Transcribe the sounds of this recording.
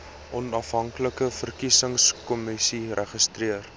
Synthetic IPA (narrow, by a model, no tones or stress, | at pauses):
ʔɔnɐfɦɐŋkləkləfərkisəŋskɔmisirʔɛχəstriər